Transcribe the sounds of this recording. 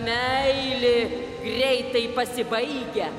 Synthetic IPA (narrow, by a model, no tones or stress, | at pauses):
mʲɛɪlʲɪ | ɡrʲɛɪt̪ɐɪpɐsʲɪbɐɪɡʲɛ